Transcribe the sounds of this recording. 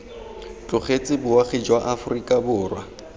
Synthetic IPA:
t͡ɬʼʊχet͡sʼɪbʊwaχed͡ʒwaʔafʊrikʼabʊːrwa

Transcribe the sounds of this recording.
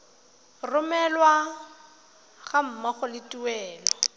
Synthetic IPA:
rʊmɛlwa | ɣam̩maχʊlɪtʼuwɛːlɔ

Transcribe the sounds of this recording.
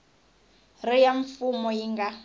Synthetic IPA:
rɪjaɱfumɔjiŋɡa

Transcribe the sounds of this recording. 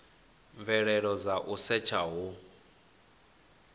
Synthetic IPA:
ɱvɛɺɛɺɔd͡zaʔusɛt͡ʃʰaɦu

